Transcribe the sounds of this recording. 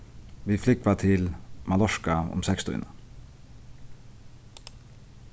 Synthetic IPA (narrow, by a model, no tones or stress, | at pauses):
ʋiːflɪk̚pʰɑːt̪ʰɪlmɑlɔʃkɑʊ̰msɛkst̪ʰœ̰ʏnə